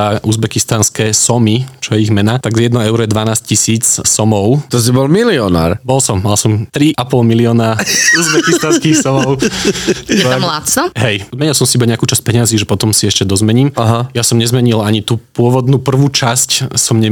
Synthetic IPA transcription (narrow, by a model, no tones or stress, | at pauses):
aʔuzbɛkist̪anskɛːsɔmit͡ʃɔjɛiɣmɛnat̪aɡjɛd̪nɔɛʊɾɔjɛd̪ʋanaːsccisiːt͡ssɔmɔʊt̪ɔs̬ibɔlmiliɔna̰ːɾbɔlsɔmːalsɔmt̪ɾiʔapɔlmiliɔːnauzbɛkist̪anskixsɔmɔʊ | amlat̪sɔɦɛjzmɛɲilsɔmsiibaɲɛakuːt͡ʃasc̚pɛɲaziːʒɛpɔt̪ɔmsiɛʃcɛd̪ɔzmɛɲiːmaɦajasɔmɲɛzmɛɲilaɲit̪uːpʊɔʋɔd̪nuːpr̩ʋuːt͡ʃascsɔmɲɛ